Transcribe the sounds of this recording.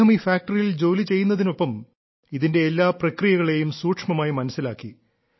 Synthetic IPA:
ɐmiːfaːk̚ʈɐrijild͡ʑo̞ːlit͡ɕe̞jːunːɐðino̞pːɐm | iðinde̞ːlːaːprɐkrijɐɣɐɭe̞jumsuːʈʂmɐmaːjimɐnɐsːilaːkːi

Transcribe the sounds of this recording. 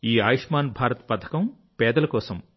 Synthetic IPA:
iːaːjiʂmaːnbʱaːɾɐt̪pɐt̪ʰɐ̥kɐm | pɛːd̪ɐlɐkɔːsɐm

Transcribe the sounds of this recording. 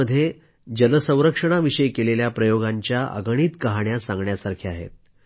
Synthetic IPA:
əd̪ʱːje | d͡ʑənəsə̃w̃ɾəkʂəɽ̃aʋiʂəjkeleljapɾəjoɡaɲt͡ɕjaʔə̰ɡɽ̃iːt̪kəɦaɳjasãŋɡɳjasaɾkʰiːaɦḛt̪̚

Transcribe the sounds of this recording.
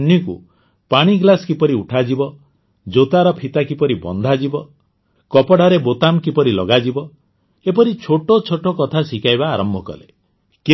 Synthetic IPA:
nikṵ | paɽ̃iɡlaskipɔɾiuʈʰad͡ʒibɔ | d͡ʒot̪aɾɔpʰit̪akipɔɾibɔ̰nd̪ʱad͡ʒibɔ | kɔpɔɽ̤ʱaɾebot̪amkipɔɾilɔɡad͡ʒibɔ | epɔɾit͡ʃʰoʈot͡ʃʰoʈokɔt̪ʰasikajbaːɾɔmbʱɔkɔ̰lḛ | k

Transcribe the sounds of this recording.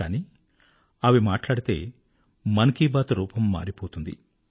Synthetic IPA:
aːniː | ɐʋimaːʈlaːɽit̪e̞̰ː | mɐnɐkiːbaːt̪ɐɾuːpɐmːa̰ːɾipoːt̪und̪ḭ

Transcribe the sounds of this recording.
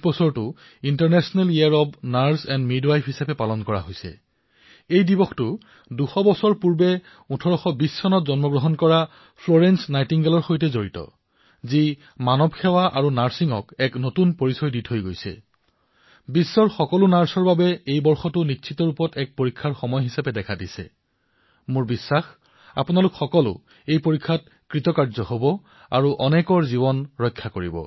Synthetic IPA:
bɔsɔɹtʊ | intaɹnɛsɔnɛliaɹɔbnaɹsɛnmidwajpʰhisapɛpalɔnkɔɹa̰ɦojsɛ̰ | ejdibɔxtʊ | duxɔbɔsɔɹpuɹbɛ | utʰɔɹɔxɔbisːɔnɔtzɔnmɔɡɹɔɦɔnkɔɹa | pʰloɹɛnsnajtiŋɡɛlɔɹxojtɛzoɹitɔ̰ | zi | manɔbkʰɛwaʔaɹunaɹsiŋɔ̰kɛknotunpoɹisɔjditɦojɡojsɛ̰ | bisːɔɹxɔkɔlʊnaɹsɔɹbabɛejbɔɹxɔtʊnitːʃʰitɔɹupɔtɛk̚poɹikʰːaɹxɔmɔjɦisapɛdɛkʰadisɛ̰ | mʊɹbisːax | a̰punalukxɔkɔlʊ̰ | ejpoɹikʰːat̚ | kɹitɔkaɹzɔɦobɔ | a̰ɹuʔɔnɛkɔɹziβɔnɹɔjkʰːakoɹibɔ̰

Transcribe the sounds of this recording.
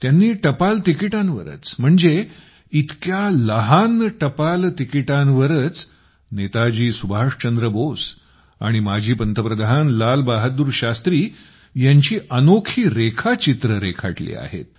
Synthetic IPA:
t̪janːiːʈəpalt̪ikiʈãnʋə̰ɾə̰t͡sm̤əɳd͡ze | it̪kjaləɦanʈəpalt̪ikiʈanʋəɾət͡s | net̪ad͡ʑiːsubʱaʂt͡ɕənd̪ɾəbos | a̰ɽ̃imad͡ʑʱiːpənt̪ʰəpɾəd̪aɦanlalbaɦəd̪uːɾɕast̪ɾiː | jaɲt͡ɕiːʔənokʰiːɾekʰat͡ɕit̪ɾəɾekʰa̰ʈlḭːa̰ɦḛt̪̚

